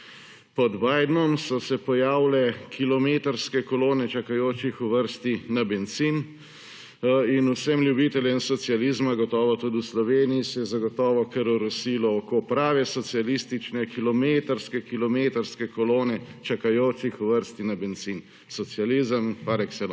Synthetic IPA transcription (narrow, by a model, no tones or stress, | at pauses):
pɔd̪baːjd̪nɔmsɔsɛpɔjaːwlɛkʰilɔmeːt̪əɾskɛkɔloːnɛt͡ʃakajoːt͡ʃixuʋəɾst̪inabɛnsin | inusɛmlʲjubit̪ɛlʲjɛnsɔt̪sializmaɡɔt̪ɔːʋɔt̪ud̪iuslɔʋeːnijisɛjɛzaɡɔt̪ɔːʋɔkɛɾuɾɔsilɔɔkopɾaːʋɛsɔt̪sialist̪it͡ʃnɛkilɔmeːt̪əɾskɛkilɔmeːt̪əɾskɛkɔloːnɛt͡ʃakajoːt͡ʃixuʋəɾst̪inabɛnsin | sɔt̪sializəmpaɾɛksɛl